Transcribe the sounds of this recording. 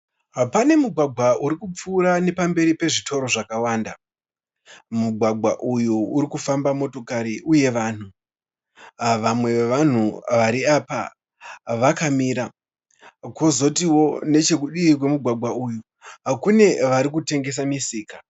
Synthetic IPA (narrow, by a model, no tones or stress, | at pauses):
pane̞muɡʱwaɡʱwauɾikup͡fuːɾane̞pambe̞ɾipe̞ʐitʰo̞ɾo̞ʐakawaːnda | muɡʱwaɡʱwaʔujuːɾikufambamo̞to̞kaɾiʔuje̞ʋaːn̤u | ʋamwe̞ʋan̤uʋaɾiapa̰ | ʋakamiːɾa | kwozo̞tiwo̞ne̞t͡ʃe̞k̬uɗiːkwe̞muɡʱwaɡʱwauju | kune̞ʋaɾik̬ute̞ŋɡe̞s̬amisiːka